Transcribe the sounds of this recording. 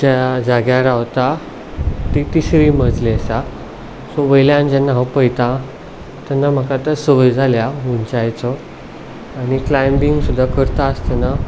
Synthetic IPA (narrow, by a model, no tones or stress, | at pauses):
t̪jad͡zaɡjaɾaʋt̪a | t̪it̪isɾim̤əd͡zleəsa | sɔʋəjljaːnid͡ʑanːaɦapəjt̪ã | t̪janːam̤əkat̪əsəʋəjd͡zʱaljaɦunt͡ɕajt͡sɔ | añiklajmbiŋɡsud̪ʱːakəɾt̪aəst̪əna